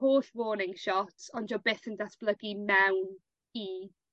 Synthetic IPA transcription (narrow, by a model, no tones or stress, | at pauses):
hoːɬwoːnɪŋʃɔtʰɔnd͡ʒɔbeːθəndatb̥lˠəɡimɛwn | i